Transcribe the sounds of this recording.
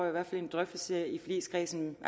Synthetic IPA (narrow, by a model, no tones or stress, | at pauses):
iʋæɐ̰fæle̝nd̥ʁœfd̥l̩səifɒlḭːskʰʁiːsn̩